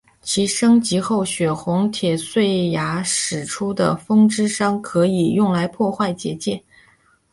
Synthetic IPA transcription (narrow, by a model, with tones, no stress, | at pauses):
t͡ɕʰi˧˥ʂɤ˥ŋt͡ɕi˧˥xo˥˩ʊɕɥɛ˨˩xʊ˧˥ŋt̪ʰjɛ˨˩swe˥˩ɪja˧˥ʂɻ̩˨˩ʈ͡ʂʰu˥d̪ə̰˨˩fɤ˥ŋʈ͡ʂɻ̩˥ʂɑ˥ŋkʰɤ˧˥i˨˩jʊ˥˩ŋla˧˥ɪpʰwɔ˥˧xwa˥˩ɪt͡ɕjɛ̰˧˥t͡ɕjɛ˥˩n